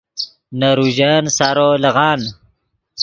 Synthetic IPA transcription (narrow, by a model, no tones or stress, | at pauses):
naɾuʑansaɾolɐɣaːn